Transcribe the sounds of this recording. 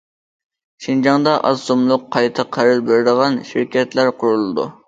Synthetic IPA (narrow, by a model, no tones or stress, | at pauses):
ʃind͡ʒɑŋd̪ɑʔɑ̰sumlˠʊqʰːɑjt̪ʰɨqʰːæɾɨlbeɾɪd̪əʁɑnʃiɾkʲɛt̪læɾqʰʊɾulˠɨd̪ṵ